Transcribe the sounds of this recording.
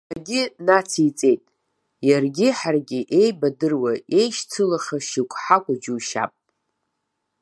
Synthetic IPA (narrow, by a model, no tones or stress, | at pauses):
aɡʲɪnat͡sʰit͡sʼe̞jtʼ | jarɡʲɪħarɡʲɪʔe̞jbadɨrwae̞jʃt͡sʰɨlaχaʃikʷʼħakʷʼʊd͡ʒuʃa̰pʼ